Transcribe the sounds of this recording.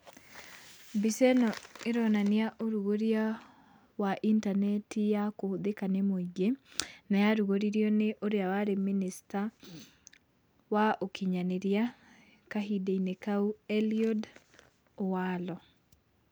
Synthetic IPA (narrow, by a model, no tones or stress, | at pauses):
bisɛnɔeɾɔnaneaʔoɾuɣoɾia | waʔintanɛtʰijakoðekanemoiɡenajaɾuɣoɾiɾjɔneʔoɾeawaɾeminista | waokʰiɲaneɾja | kaɦideinekauɛliɔd | owalɔ